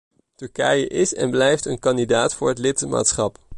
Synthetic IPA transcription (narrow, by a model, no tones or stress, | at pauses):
tɵɹkɛjəʔɪsɛ̰nblɛjftənkɑndidaːtfʊːɹɦətlɪtma̰ːtsχɑp